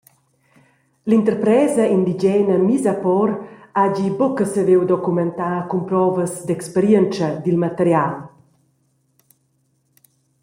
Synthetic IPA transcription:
lint̪əɾpɾɛːzɐind̪id͡ʒɛːnəmizapɔɾad͡ʒibɔkəsəvewd̪ɔkumɛnt̪aːkumpɾɔvəzd̪ɛkspeɾjɛnt͡ʃəd̪ilmat̪əɾjal

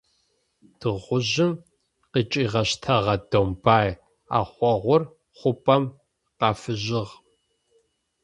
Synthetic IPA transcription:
d̥ɨʁʷʊʑɪm | qit͡ʃʼiːʁɐɕtʰɐʁɐdombaːj | a̰ːχʷɔʁʷʊr | χʷʊpʼɐm | qɑːfɨʑɪʁ

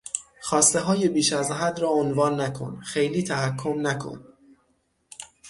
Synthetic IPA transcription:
xɒːst̪e̞ɦɒːje̞biːʃæzɦæd̪rɒːonvɒːnːækʰo̰nxe̞jliːt̪ʰæɦækʰːomnækʰo̰n

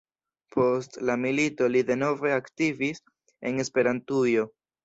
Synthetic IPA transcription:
pʰo̞stlamilito̞lide̞no̞ve̞aktivis | e̞ne̞spe̞ɾantujo̞

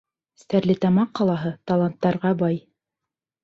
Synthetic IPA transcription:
st̪æɾlɘt̪ɑmɑqːɑlˠɑɦɤt̪ɑlˠant̪ːɑɾʁɑbɑj

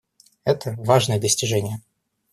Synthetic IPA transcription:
ɛt̪ʰəvaʐnəjəd̪əsʲtʲɪʐɛnʲɪjə

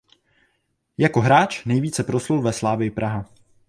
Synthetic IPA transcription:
jako̞ɦɾaːt͡ʃnɛjviːt͡sɛpɾo̞slulvɛslaːvɪjɪpɾʔaɦa

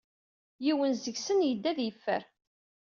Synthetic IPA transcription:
jiwənzəɡsənjəd̪ːæðjəfːə̰ɾ

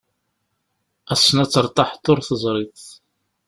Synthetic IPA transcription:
æsːənæt͡sːəɾˤt̪ˤɑħt̪ːʊɾθəzˤɾˤiθ

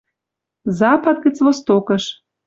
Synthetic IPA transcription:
zɑpɑt̪̚ɣə̆t͡svost̪okɤʃ

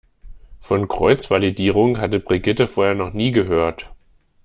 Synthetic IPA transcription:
fɔnkʁ̥ɔʏt͡sv̥alidiːʁ̞ʊŋɦatəbʁiɡɪtəfoːɐheːɐnɔχniːɡəɦøːɐt

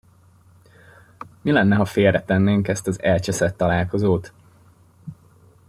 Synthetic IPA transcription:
milɛnːɛɦɒfeːlrːɛt̪ɛnːeːŋkɛst̪ɒzɛlt͡ʃɛsɛt̪ːɒlaːlko̞zoːt̪

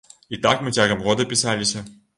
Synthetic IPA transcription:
it̪akmɨtʲaɡɐmɣod̪ɐpʲɪsalʲɪsʲɐ

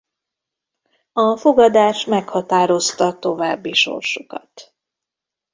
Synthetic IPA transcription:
ɒfo̞ɡɒd̪aːʃmɛkhɒt̪aːɾo̞st̪ɒt̪o̞vaːbːiʃo̞̰rʃokɒt̪

